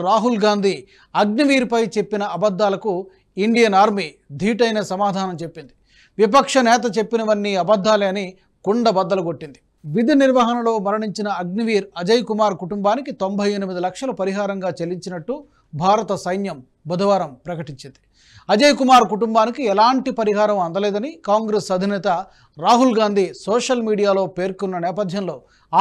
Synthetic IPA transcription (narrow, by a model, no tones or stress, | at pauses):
ɾaːɦulɡaːnd̪ʱi | ɐɡniʋiːɾpɐjt͡ʃe̞pːinɐɐbɐd̪ːaːlɐku | iɳɖijɐnaːɾmi | d̪ʱiːʈɐjnɐsɐmaːd̪ʱaːnɐmt͡ʃe̞pːind̪i | ʋip̬ɐkʂɐnɛːt̪ɐt͡ʃe̞pːinɐʋɐnːiɐbɐd̪ʱːaːliɐni | kuɳɖɐbɐd̪ːɐlɐɡo̞ʈːind̪i̥ | ʋid̪ʱiniɾʋɐːɦɐnɐlo̞ːmɐɾɐɳiɲt͡ʃinɐːɡniʋiːɾɐd͡ʒɐjkumaːɾkuʈumbaːnikit̪o̞mbʱɐjenimid̪ilɐkʂɐlɐpɐɾiɦaːɾɐŋɡaːt͡ʃeliɲt͡ʃinɐʈːu | bʱaːɾɐt̪ɐsɐjnjɐm | bɐd̪ʱɐʋaːɾɐmpɾɐkɐʈiɲt͡ʃind̪i | ɐd͡ʒɐjkumaːɾkuʈumbaːnikiɛlaːɳʈipɐɾiɦaːɾɐmɐnd̪ɐleːd̪ɐnikaːŋɡɾesɐd̪ʱinɛːt̪ɐ | ɾaːɦulɡaːnd̪ʱisɔːʂɐlmiːɽijaːlo̞ːpe̞ːɾkunːɐnɛːpɐd̪ʱjɐnlo̞ː | aː